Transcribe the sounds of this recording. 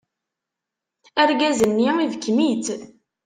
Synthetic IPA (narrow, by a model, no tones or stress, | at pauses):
æɾɡæzənːiivəkːmit̪